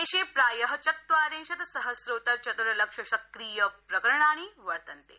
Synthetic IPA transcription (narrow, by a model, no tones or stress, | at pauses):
eɕeːpɾaːjɐɦɐt͡ʃɐt̪ʋaːɾẽːɕɐt̪sɐɦəsɾoːt̪ɐɾt͡ʃɐt̪ɾɐlɐkʂɐɕɐkɾiːjɐpɾɐkəɾɳaːñiːʋɐɾt̪ɐnt̪ḛː